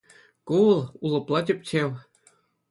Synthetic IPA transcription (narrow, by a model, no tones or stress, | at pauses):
kuwɤ̆lˠulˠɤ̆plˠɑt̪ʲɘp̚ʲt͡ɕew